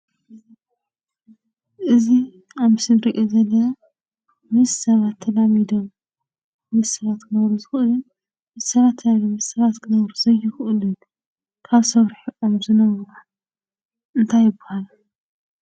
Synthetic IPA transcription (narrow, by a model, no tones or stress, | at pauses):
ʔɨzi | amɨsɨnɾiʔozɐlɐ | mɨzsɐβat̪ʰːɐlamid̪om | mɨzsɐβat̪kʰɨnɐβɾuzɨxʔɨlɨn | mɨzsɐβat̪ʰːnalimɨzsɐβat̪kʰɨnɐβɾuzɐjːɪxʔɨlɨn | kʰaβsɐβɾħiʔomzɨnɐβɾu | ʔɨnt̪ʰajɪbʊ̥hal